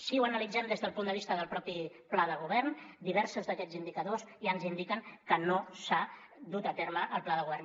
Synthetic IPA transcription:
siwənəlid͡zɛmd̪ezðəlˠpund̪əβist̪əðəlˠpɾɔpi | plaðəɣ̞uβɛrnd̪iβɛɾsuzðəkɛd͡zind̪ikəðoziənzind̪ikəŋkənosa | d̪ut̪ət̪ɛɾməʔːlˠplaðəɣuβɛrn

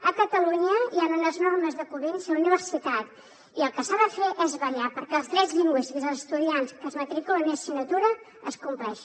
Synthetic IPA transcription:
əkət̪əluɲəianunəznɔrməzðəkuβinsiuniβ̞əɾsit̪at̪ | iəlˠkəsaðəfeʔɛzβəɾjapəɾkɛəlˠzt̪ɾɛzʎiŋɡwisiizəlzəst̪uðianskəzmət̪ɾikulənisinːət̪uɾə | əskumplɛʃ

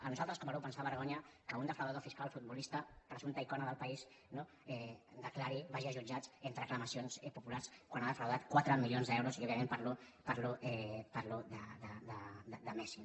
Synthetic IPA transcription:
ənuzalˠt̪ɾəskɔmaɾɛwpənsaβəɾɣɔɲəkəund̪əfɾəwðaðofiskalˠfud̪̚bulist̪ɐpɾəzunt̪aikɔnəðəlˠpais | no | ɛd̪əklaɾiβaʒiəʒud͡ʒat͡sent̪ɾəkləmasionsɛpupulaɾskwanaðəfɾəwðat̪kwat̪ɾəmilijonzðɛwɾuziɔβjəmẽmpaɾlupaɾluɛpaɾlud̪əd̪əd̪əd̪əd̪əmɛsi

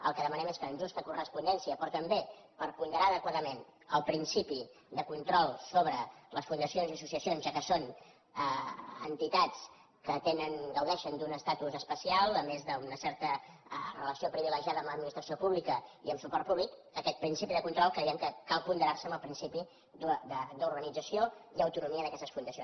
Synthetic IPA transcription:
ə̰lˠkəðəmənɛmeskəːnʒust̪əkurəspund̪ɛnsiəpɾɔt̪əmbe | pəɾpund̪əɾaəðəkwaðəmenəlˠpɾinsipi | d̪əkunt̪ɾɔlˠsoβɾələsfund̪əsionziəsusiəsionzʒakəson | əə̰nt̪it̪at͡s | kət̪enənɡəwðɛʃənd̪unəst̪at̪uzəspəsialˠəmezðəunəsɛɾt̪ərələsiopɾiβiləʒiaðəːmləd̪̚minist̪ɾəsiopuβlikəiəmsupɔrt̪̚puβlikəkɛt̪̚pɾinsipiðəkunt̪ɾɔlˠkɾəiɛmkəkalˠpund̪əɾarsəmbəlˠpɾinsipi | d̪ud̪əd̪uɾɣənid͡zəsioiəwt̪unumiəðəkɛst̪əsfund̪əsio

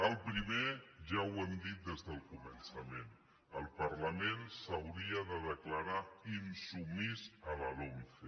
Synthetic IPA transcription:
əlˠpɾimeʒawɛmd̪it̪̚d̪ezðəlˠkumənsəmen | əlˠpəɾləmensəwɾiəðəðəkləɾainsumizəβəlomfe

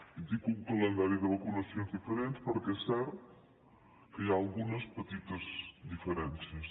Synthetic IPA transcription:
it̪ikuŋkələnd̪aɾjiuðəβəkunəsjonzðifəɾent̪pəɾkɛsɛɾt̪ | kəjaːlˠɣunəspət̪it̪əzd̪ifəɾɛnsiəs

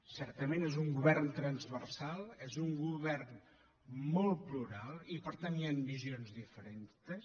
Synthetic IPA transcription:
sɛɾt̪əmẽnezuŋɡuβɛrnt̪ɾənzβəɾsalˠezuŋɡuβɛrn | molˠpluɾalˠipəɾt̪anjanbizionzðifəɾent̪əs

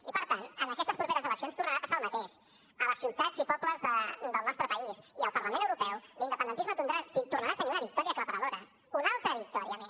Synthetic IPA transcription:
ipəɾt̪anənəkɛst̪əspɾupeɾəzələksionst̪urnəɾapasalˠmət̪eʃ | ələsiwt̪ad͡zipɔpləzðəd̪əlˠnɔst̪ɾəpəisiəlˠpəɾləmẽnəwɾupɛwlind̪əpənd̪ənt̪izmət̪und̪ɾat̪it̪urnaɾaːt̪əniunəβik̚t̪ɔɾiəkləβəɾəðoɾə | unalˠt̪ɾəβik̚t̪ɔɾiəmes

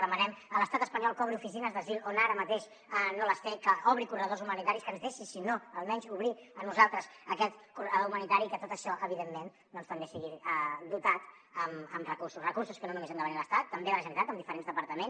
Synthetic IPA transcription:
ðəmənɛmələst̪at̪əspəɲɔlˠkɔβɾiufisinəzðəzilˠonaɾəmət̪eʃ | ənoləsekəɔβɾikurəð̞ozumənit̪aɾiskənzðeʃisinoəlˠmɛɲzuβɾiənuzalˠt̪ɾəzəkɛt̪kurəðoumənit̪aɾikət̪ot̪əʃɔʔəβ̞iðemːen | d̪ɔnst̪əmbesiɣiəd̪ut̪at̪ | əməmrəkususrəkursuskənonumezand̪əβəniləst̪at̪ːəmbeələʒənit̪at̪əmd̪ifəɾenzðəpəɾt̪əmens

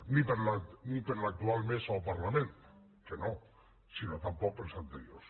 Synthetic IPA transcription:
nipeɾlanipeɾlak̚t̪ualmesawpaɾlamẽnt̪ | keno | sinot̪ampɔk̚pelsant̪eɾjos

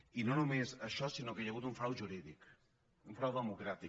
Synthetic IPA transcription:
inonumezɐʃɔsinokejaɣut̪uɱfɾawʒuɾiðik | uɱfɾawðəmukɾat̪i

